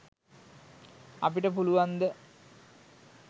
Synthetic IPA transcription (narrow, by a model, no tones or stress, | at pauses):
ɐ̰piʈːəpuluʋɐnd̪ə